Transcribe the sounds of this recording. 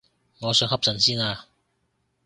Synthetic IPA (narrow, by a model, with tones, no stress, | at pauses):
ŋɔː˨˧sɵ˧ŋhɐ˥p̚sɐ˨˩nsiː˥naː˧